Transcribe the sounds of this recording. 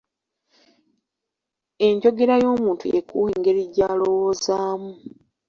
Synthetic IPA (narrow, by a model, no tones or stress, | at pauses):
e̞ɲɟo̞ɡe̞ɾajo̞ːmuːntujekṵːheːŋɡe̞ɾiɟaːlo̞wozaːmu